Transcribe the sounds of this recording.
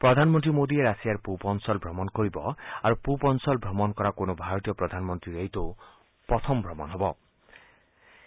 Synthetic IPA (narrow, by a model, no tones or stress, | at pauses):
pɾɔd̪ʱanmɔnt̪ɾimod̪ieɾasijaɾpupɔnsɔlbʱɾɔmɔnɔkɔɾibɔ̰aɾupupɔnsɔlbʱɾɔmɔnkɔɾakonobʱaɾɔt̪ijɔpɾɔd̪ʱanmɔnt̪ɾiɾejt̪o | pɾɔt̪ʰɔmbʱɾɔmɔnɦɔbɔ